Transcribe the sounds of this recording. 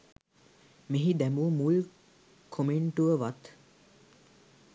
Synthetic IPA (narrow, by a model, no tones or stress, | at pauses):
miɦid̪ɛmuːmul | kʰomeɳʈuʋəʋɐt̪